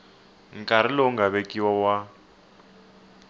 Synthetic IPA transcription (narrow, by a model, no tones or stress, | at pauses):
ŋ̩kʼaɾ̤iloŋɡaβekʼiwawa